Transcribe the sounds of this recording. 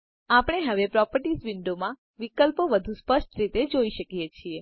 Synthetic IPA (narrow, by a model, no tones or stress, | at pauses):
apɽ̃eɦəʋepɾɔpəɾʈisʋɪɳɖomã | ʋikəlpoʋəd̪ʱũspəʃʈ̪ɾit̪ed͡ʒoiʃəkijet͡ʃʰie